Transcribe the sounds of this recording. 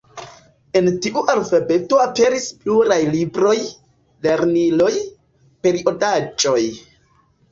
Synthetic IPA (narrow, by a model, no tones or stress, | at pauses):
e̞ntiʔuʔalfabe̞to̞ape̞ɾispluɾajlibɾo̞j | le̞ɾnilo̞j | pe̞ɾiʔo̞dat͡ʃʼo̞j